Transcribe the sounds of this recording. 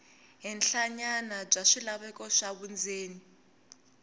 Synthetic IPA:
ɦɛnɬaɲanab͡ʐaʂilaβɛkɔʂaβund͡zʱeːni

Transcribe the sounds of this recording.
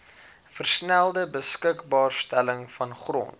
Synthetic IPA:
fərsnælˠdəbəskəkbɑːrstæləŋfɐnχrɔ̰nt

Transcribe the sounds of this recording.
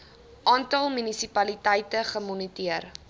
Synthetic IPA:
ʔɑːntɐlˠmynisipɐlitəjtəχəmɔnitiər

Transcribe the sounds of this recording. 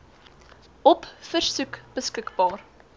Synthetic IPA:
ʔɔpfərsʉkb̥əskəkbɑːr

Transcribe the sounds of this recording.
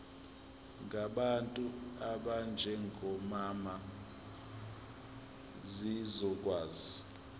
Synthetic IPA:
ŋʱaɓantʼuaɓand͡ʒʱɛŋʱɔmama | zizɔk̬ʼwaːzi

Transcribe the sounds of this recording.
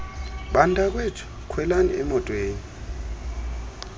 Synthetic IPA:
ɓandʱak̬wetʰi̥ | kʰwɛlaniɛmɔtʼweːni

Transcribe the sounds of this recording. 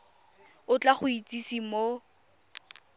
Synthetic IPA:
ʊt͡ɬaχʊit͡sʼisimo

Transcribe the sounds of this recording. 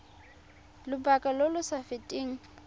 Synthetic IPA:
lʊbakʼalolʊsafɪtʼɪːŋ̩

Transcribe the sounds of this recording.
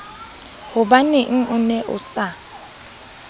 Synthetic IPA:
hʊbanɪŋ̩ʔʊnɛʔʊ̰sa

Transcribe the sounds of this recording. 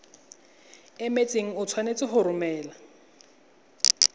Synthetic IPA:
ɛmet͡sʼeŋ̩ʊt͡sʰwanet͡sʼɪɦʊɾʊmɛːla

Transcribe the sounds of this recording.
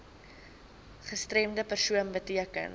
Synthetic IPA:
χəstrɛmdəpərsuənbətiəkə̰n

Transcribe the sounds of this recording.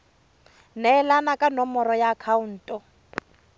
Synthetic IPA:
nɛɛlanakʼanɔmɔɾɔjaːkʰaun̩ːtʼɔ

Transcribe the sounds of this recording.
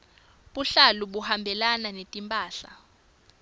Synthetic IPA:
ɓuɬaluɓuhambʱɛlananetʼimpʼaːɬa

